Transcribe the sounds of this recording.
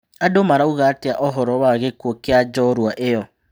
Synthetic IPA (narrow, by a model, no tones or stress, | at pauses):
adomaɾauɣateaʔɔɦɔɾɔwaɣekwokead͡ʒɔɾwaʔejɔ